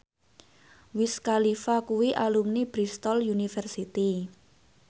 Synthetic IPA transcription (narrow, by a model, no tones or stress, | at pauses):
wɪskalifakuwiʔalumnib̥ɾist̪ɔljunifɛrsit̪i